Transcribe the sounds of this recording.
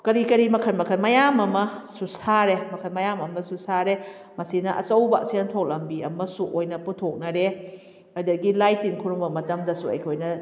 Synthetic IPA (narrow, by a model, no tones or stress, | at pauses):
kɐɾikɐɾimɐkʰɐnmɐkʰɐnmɐjamɐmɐsusaɾemɐkʰɐnmɐjamɐmɐsusaɾe | mɐsinɐʔɐ̰t͡ʃɐwba̰sintʰok̚lɐmbiɐmɐsuʔojnɐputʰok̚nɐɾe | ajdɐɡilajtinkʰuɾuŋbɐmɐtɐmdɐsuɐ̰jkʰojnɐ